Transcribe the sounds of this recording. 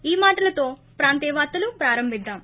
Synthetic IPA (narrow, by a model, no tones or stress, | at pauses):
iːmaːʈɐlɐt̪o̞ːpɾaːnt̪ɛːʋaːt̪ːɐlupɾaːɾɐmbʱid̪ːaːm